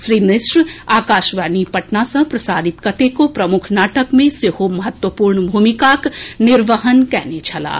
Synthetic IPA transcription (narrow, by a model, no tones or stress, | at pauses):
sɾiːmnɪsɾaːkaːʃʋaːnipɐʈnasɐ̃pɾɐsaːɾɪt̪kɐt̪ekopɾɐmʊkʰnaːʈəkmẽsɪhomɐɦət̪wəpuːɾɳbʱuːmikaknɪɾʋəɦənkɛːnet͡ʃʰɐla̰ː